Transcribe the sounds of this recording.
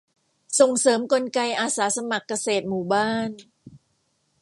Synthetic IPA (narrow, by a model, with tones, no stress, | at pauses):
so˨˩ŋsɤː˩˦mko˧nka˧jʔaː˧saː˩˦sa˧ma˨˩kːa˧seː˨˩t̪̚muː˨˩baː˥˩n